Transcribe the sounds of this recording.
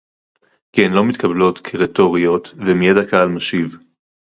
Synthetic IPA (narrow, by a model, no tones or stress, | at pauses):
kienlo̞mit̪kʰablo̞tkʰeʁeto̞ʁio̞t̪vemijedakaalmaʃiv